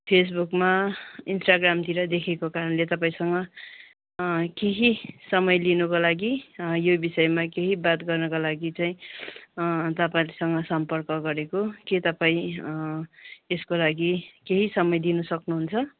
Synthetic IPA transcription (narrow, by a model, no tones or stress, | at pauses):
pʰes̬bukmainsʈaɡramt̪iɾʌd̪ekʰekokaɾʌnlet̪ʌpaĩsʌŋɡʌ | keɦisʌmʌjlinʌkolaɡijobisʌjmakeɦibat̪ɡʌrnʌkalaɡit͡saĩ | t̪ʌpaĩlsʌŋɡʌsʌmpʌrkʌɡʌɾekoket̪ʌpaĩ | eskolaɡikeɦisʌmʌjd̪inʌsʌknuɦunt͡sʰʌ